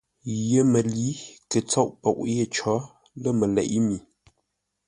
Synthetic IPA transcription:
jə˦mə˨li˨˦kə˨t͡sɔ˦˨ʔpɔ˨ʔje˦˨t͡ʃɔ˨˦ | lə˦mə˨lɛ̰˨ʔmi˨

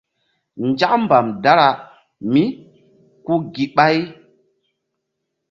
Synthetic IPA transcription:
nd͡ʒa˦km˦ba˨mda˦ɾa˨ | mi˦ | ku˦ɡi˨ɓa˦j

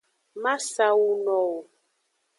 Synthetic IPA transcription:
ma˦sa˦wu˦nɔ˨

